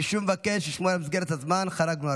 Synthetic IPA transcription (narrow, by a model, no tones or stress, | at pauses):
iʃuvmevakeʃjiʃmoalamizɡeɾet̪azmanχaɾaɡnua